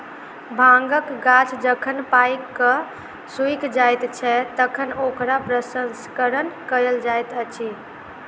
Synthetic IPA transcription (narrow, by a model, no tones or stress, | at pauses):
bʱãŋɡəkɡat͡ʃʰd͡ʒəkʰənpajkːə | sujkd͡ʒajt̪t͡ʃʰɛt̪əkʰənokɾapɾəsənskəɾənkəɾeld͡ʒajt̪ət͡ʃʰi